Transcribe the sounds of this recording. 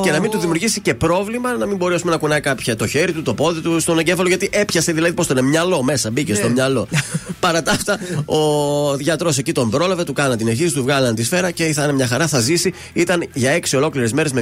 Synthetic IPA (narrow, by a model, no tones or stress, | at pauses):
ce̞nɐmint̪uðimjuɾʝisice̞pɾo̞vlimɐnɐmimbo̞ɾesume̞nɐkunɐjkɐpçɐt̪o̞çe̞ɾit̪ut̪o̞po̞ðit̪ust̪o̞neɲɟe̞fɐlo̞ʝɐt̪iʔe̞pçɐse̞ðilɐðipo̞st̪onemɲɐlo̞me̞sɐbice̞st̪o̞mɲɐlo̞pɐɾɐt̪ɐft̪ɐoʝɐt̪ɾo̞secit̪o̞mbɾo̞lɐve̞t̪ukɐnɐt̪ineçisit̪uvɣɐlɐnt̪isfe̞ɾɐce̞θɐnemɲɐxɐɾɐθɐzisi | it̪ɐnʝɐe̞ksio̞lo̞kliɾezme̞ɾe̞zme